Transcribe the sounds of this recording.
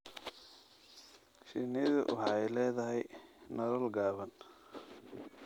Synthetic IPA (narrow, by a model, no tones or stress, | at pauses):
ʃinɪðʊ̰wʔɑ̰ħɑɛjlɛːðɐɦɛjnɐlɔlɡaːβɐn